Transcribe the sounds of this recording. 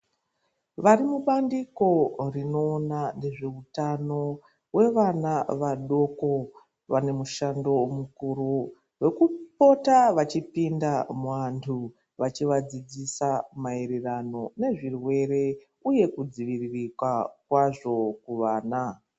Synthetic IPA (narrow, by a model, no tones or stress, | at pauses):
ʋaɾimuɓandiko̞rino̞ːnane̞ʐe̞utano̞ | we̞ʋanaʋaɗo̞ko̞ | ʋane̞muʃando̞mukuɾu | ʋe̞kupo̞taʋat͡ʃipindamuʋantʰu | ʋat͡ʃiʋad͡zid͡zisamaeɾirano̞ne̞ʐirwe̞ɾe̞ | uje̞kud͡ziʋiririkwakwaʐo̞kuʋaːna